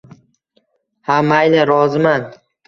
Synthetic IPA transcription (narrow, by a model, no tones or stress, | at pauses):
hamajnɪɾɒzɪman